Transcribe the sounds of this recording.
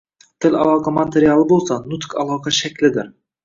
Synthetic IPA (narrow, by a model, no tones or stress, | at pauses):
t̪ʰɪlɑ̰lˠɑqɑmat̪ʰeɾijalˠɪbolˠsɑnʊt̪kʰɑlˠɒqɑʃækʲlɪd̪ɪɾ